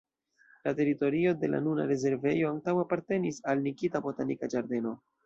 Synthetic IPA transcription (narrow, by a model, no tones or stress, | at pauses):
late̞ɾito̞ɾio̞de̞la̰nuna̰ɾe̞ze̞ɾve̞jo̞aŋtaweapaɾte̞nisalnikitabo̞tanikad͡ʒaɾde̞no̞